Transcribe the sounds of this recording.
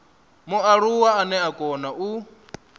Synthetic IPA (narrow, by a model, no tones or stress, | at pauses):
muaɺuwaanɛakʼɔnaʔu